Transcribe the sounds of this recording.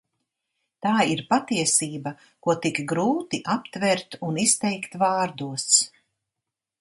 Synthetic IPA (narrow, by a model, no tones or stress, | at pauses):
t̪aːiɾpat̪iɛsiːba | kuɔt̪ikɡɾuːt̪iʔapt̪vɛɾt̪unist̪ɛjkt̪vaːɾd̪uəs